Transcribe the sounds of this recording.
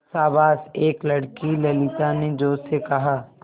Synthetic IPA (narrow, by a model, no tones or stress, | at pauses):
saːbaːseːklɐɽkilɐlit̪aned͡ʒoːsekɐɦaː